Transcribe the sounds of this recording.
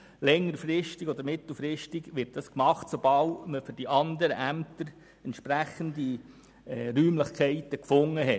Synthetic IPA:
lɛŋːəɾfɾɪʃtiɡɔdəɾmɪt̪l̩fɾɪʃtɪɡʋɪɾt̚d̥ɑskmɑχtsob̥ɑlməfʏɾd̥iʔɑnd̪əɾə̰ʔæmt̪əɾ | ɛnt̪ʃpɾæχəndi | ɛɾyːmləχkʰɛɪt̪əkfʊŋːəɦɛ

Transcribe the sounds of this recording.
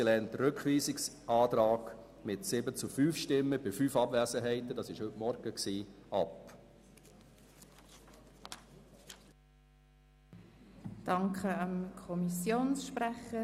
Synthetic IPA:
ilɛːntəɾʏkχʋiːsɪks | ɑːtɾɑːɡ̥ | mɪtsɪbət͡sufyːfʃtɪmːəb̥ɪfyːfɑbvɛːsəɦɛɪtədɑsɪʃhɵtmɔɾɡ̥əksiːɑp | d̥ɑŋkʰəɑmkʰɔmisjoːnsʃpræχə

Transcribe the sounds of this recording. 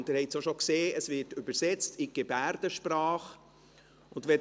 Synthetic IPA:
ntɪɾhɛɪtsoʃokseːəsʋɪɹtʏbəɾsɛt͡stɪɡ̥ebæɾd̥əʃprɑːχ | ʊndʋɛ

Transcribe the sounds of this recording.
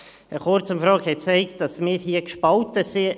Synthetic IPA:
əχoɾt͡səmfɾɑːkhɛt̚t͡sɛɪkt̚d̥ɑsmɪːɾhiəkʃpɑltəsɪ

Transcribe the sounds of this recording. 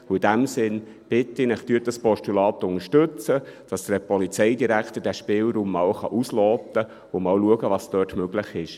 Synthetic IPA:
ʊid̥æmsɪn | b̥ɪt̪ːinɪχt̪yːtdɑspɔʃtulɑːt̪ːʊŋəʃtɵt͡səd̥ɑsd̪əpɔlit͡sɛɪjdiɾækχt̪əɾdæʃpɪːlɾuːmːɑːwχɑ̰ʔuslɔːt̪ə | ʊmɑːwluəɡəvɑːst̪œːtmøɡlɪχɪʃ

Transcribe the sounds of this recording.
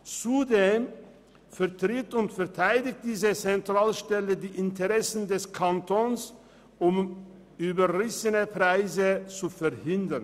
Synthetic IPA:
t͡sudeːm | fɛɐtʁ̥ɪtʊntfɛɐtʰaɪdɪk̚t̚d̥iːzət͡sɛntʁ̥aːlʃtɛlədiːʔɪntəʁɛsn̩dɛskʰantʰɔns | ʔʊm | ʔyːbɐʁɪsənəpʁ̥aɪzət͡sufɛɐhɪndɐn

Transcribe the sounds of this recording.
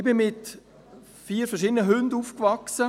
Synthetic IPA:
bɪnmɪt | fiːəɾfɛʁʃ̬iːdənəɦʉnduːfkvɑksə

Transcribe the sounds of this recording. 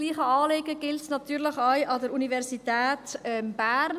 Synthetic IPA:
liːχəɑːleːɡəɡ̥ɪltnɑt̪yːɾləχaɪʔɑdəɾunivɛɾsitɛːtɛmb̥æːɾn

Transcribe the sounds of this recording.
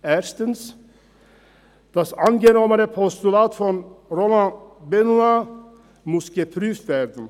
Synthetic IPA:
æːɾst̪əns | d̪̥ɑsɑnɡənɔmənəpʰɔst̪ʉlɑːt̪fɔnɾoːlɑnbɛnʊɑ | mʊsɡəpʰɾʉːft̪ʋæɾd̪n̩

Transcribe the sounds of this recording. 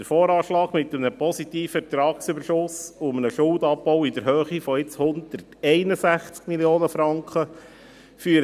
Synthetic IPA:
dəɾfɔːɾɑːʃlɑːɡmɪt̪ːəmnəpɔsit̪iːfɛt̪ɾɑːksʏbəɾʃʊsʊmənəʃʊldɑpːɔwɪd̪əɾhøːχifɔɪt͡shʊnd̪ərtɛɪnəsæχt͡skmiljoːnəfɾɑŋkχə | fyɾ

